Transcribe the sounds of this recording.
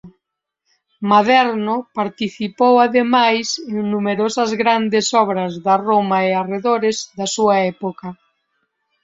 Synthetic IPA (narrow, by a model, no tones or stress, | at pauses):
maðɛɾnʊpaɾt̪iθipowaðemajseŋnumeɾosɐzɣɾand̪esɔβɾɐzðaromaeareðoɾezðɐsuaɛpokɐ